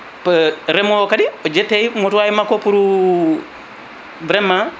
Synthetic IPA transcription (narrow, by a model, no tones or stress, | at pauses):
pəɾemokadiod͡ʒetːejmotuajimakopuɾu | bɾemːa